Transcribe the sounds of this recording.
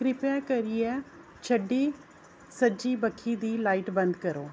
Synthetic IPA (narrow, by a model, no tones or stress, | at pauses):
kɾɪpɛːkəɾiɛː | t͡ʃʰəɖiː | səd͡ʒiːbəkʰːiːd̪iːlaːiʈbə̃nd̪kəɾoː